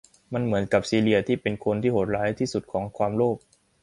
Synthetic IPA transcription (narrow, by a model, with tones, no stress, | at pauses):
ma˧nmɯ˩˦ənka˨˩p̚siː˧li˧ɐt̪ʰiː˥˩pe˧nkʰo˧nt̪ʰiː˥˩ho˨˩t̪̚ɾaː˦˥jt̪ʰiː˥˩su˨˩t̪̚kʰɔː˩˦ŋkʰwaː˧mloː˥˩p̚